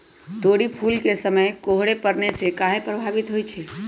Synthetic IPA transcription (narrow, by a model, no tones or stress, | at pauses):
t̪oːɽipʰuːlkesəməjkoːɦɽepəɾnesekaːɦepɾəbʱaːʋɪt̪ɦoit͡ʃʰeː